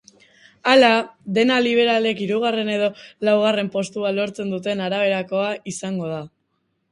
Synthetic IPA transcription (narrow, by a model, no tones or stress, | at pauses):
alaðe̞naliβ̞e̞ɾale̞kiɾuɣ̞are̞ne̞ð̞o̞lawɣ̞are̞mpo̞st̪ualo̞ɾt͡se̞nd̪ut̪̬e̞naɾaβ̞e̞ɾako̞aʔisaŋɡo̞ð̞a